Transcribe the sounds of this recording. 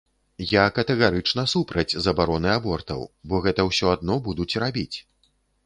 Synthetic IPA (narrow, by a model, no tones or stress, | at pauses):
jakɐt̪ɛɣaɾɨt͡ʂnɐsupɾɐd͡zʲzɐbaɾɔnɨabɔrt̪ɐ̰wbɔɣɛt̪ɐwsʲɔad̪nɔbud̪ut͡sʲrabʲit͡sʲ